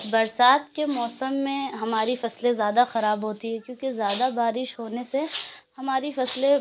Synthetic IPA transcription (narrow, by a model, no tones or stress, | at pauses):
bɐɾsaːt̪kemɔːsəmːẽɦɐmaːɾifɐslezjaːd̪axɐɾaːbɦoːt̪iɦɛkjõːkezjaːd̪abaːɾɪʃɦoːnesehɐmaːɾifɐsle